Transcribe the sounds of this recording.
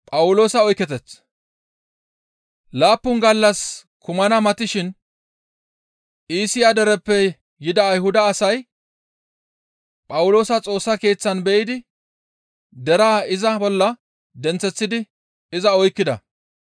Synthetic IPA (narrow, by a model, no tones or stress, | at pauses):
pʼɐwʊlo̞ːsɐɔjkːɛt̪ɛt͡s | laːpːʊnɡɐlːɐs | kʰʊmɐnɐmɐt̪ɪʃɪn | ʔiːsɪjad̪ɛɾɛpːɛ | jɪd̪ɐːjɦʊd̪ɐːsɐj | pʼɐwʊlo̞ːsɐt͡sʼo̞ːsːɐke̞ːt͡sːɐnbɛʔɪd̪ɪ | d̪ɛɾaːɪzɐbɔlːɐ | d̪ɛnt͡sːɛt͡sːɪd̪ɪ | ɪzɐɔjkːɪd̪ɐ̰